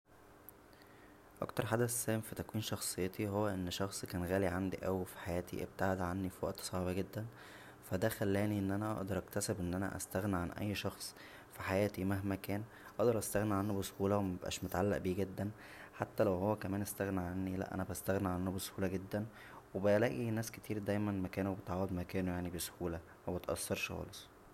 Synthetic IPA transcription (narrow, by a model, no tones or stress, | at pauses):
ʔɑ̰kt̪ɑɾˤħad̪æssæːmfit̪ækwiːnʃɑxsˤejːɑt̪iɦowːæʔenːʃɑxsˤkæːnɣæːliʕand̪ḭʔæwifi̥ħajæːt̪ḭʔḛb̚t̪aʕed̪ʕanːifiwæ̰ʔt̪sˤɑʕbæɡed̪ːæn | fæd̪æxælːæːniʔenːʔænæʔɑ̰ʔd̪ɑɾˤʔækt̪æsebʔenːʔænæ̰ʔæ̰st̪æɣniʕanʔæ̰jːʃɑxsˤ | fiħajæːt̪imæhmækæːn | ʔɑʔd̪ɑɾˤʔæst̪æɣniʕanːubeshuːlæwemæbʔæ̰ːʃmot̪ʕalːæ̰ʔbiːɡed̪ːæn | ħat̪ːælæwhowːækæmæːnʔest̪æɣniʕanːilæ̰ʔæ̰næbæst̪æɣniʕanːubeshuːlæɡed̪ːæn | webelæːʔinæːsket̪ʰiːɾd̪æjmænmækæːnubet̪ʕɑːwed̪mækæːnojaʕnibeso̥huːlæ | mæbet̪ʔɑ̰sːɑɾˤʃxɑ̰ːlesˤ